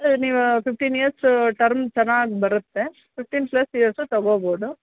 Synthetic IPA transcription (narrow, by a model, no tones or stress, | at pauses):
ɐniːʋɐpɪfʈiːnijɐɾsʈɐɾmt͡ʃɛnːaːɡibɐɾɯt̪ːe | pɪfʈiːnplɐsijɐɾst̪ɐɣoːboːd̪u